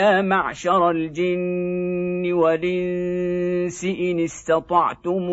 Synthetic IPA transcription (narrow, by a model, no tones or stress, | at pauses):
aːmaʕʃɑɾˤald͡ʒɪnː | ɪwalʔɪn | sɪʔɪnɪst̪ɑt̪ˤɑʕt̪ʊm